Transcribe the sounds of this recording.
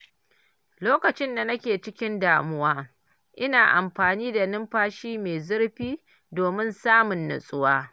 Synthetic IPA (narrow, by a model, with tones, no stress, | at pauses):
loː˦kɐ˨t͡ʃɪ˦nda˨nɐ˦kʲeː˨t͡ʃɪ˦kʲɪ˦ndaː˨mʊ˦waː˦ | ʔɪ˦naː˨ʔa̰˨mɸaː˨niː˦da˨nɪ˦mɸaː˦ʃiː˦meː˨zʊ˦ɽɸiː˦ | doː˨mɪ˦nsaː˦mʊ˨nːʊ̰˨sʼʊ˦waː˦